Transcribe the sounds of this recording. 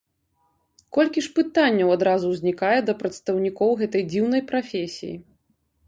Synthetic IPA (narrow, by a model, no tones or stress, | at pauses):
kɔlʲkʲiʂpɨt̪anʲːɐwad̪ɾazuwzʲnʲikajɛd̪ɐpɾɐt̪st̪ɐwnʲikɔwɣɛt̪ɐjd͡zʲiwnɐjpɾafʲesʲḭjḭ